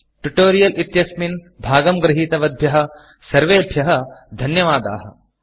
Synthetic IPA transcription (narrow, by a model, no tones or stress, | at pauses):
ʈuʈoːɾijɐlʔit̪jɐsmin | bʱaːɡɐmɡɾɪɦiːt̪ɐʋɐd̪ʱjɐɦɐ̆ | sɐɾʋeːɐb̪ʱjɐɦɐ̆d̪ʱɐnjɐʋaːd̪a̰ːɦɐ̰